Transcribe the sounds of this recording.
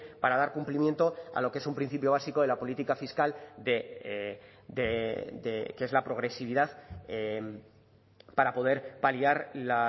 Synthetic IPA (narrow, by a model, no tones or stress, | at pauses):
paɾað̞aɾkumplimje̞nt̪o̞a̰lo̞kee̞sumpɾin̟θipjo̞βasiko̞ðelapo̞lit̪ikafiskald̪e | d̪ed̪ekee̞zlapɾo̞ɣ̞ɾe̞siβ̞iðaðe | paɾapo̞ð̞e̞ɾpaliaɾla